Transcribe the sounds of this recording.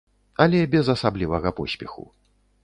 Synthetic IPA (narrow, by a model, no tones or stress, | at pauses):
ɐlʲɛbʲɛzɐsablʲivɐɣɐpɔsʲpʲɛxṵ